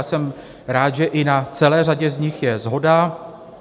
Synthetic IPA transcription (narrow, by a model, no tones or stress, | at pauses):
sɛm | ɾaːt̪ʒɛʔɪnat͡sɛlɛːraɟɛzɲɪxjɛzɦo̞da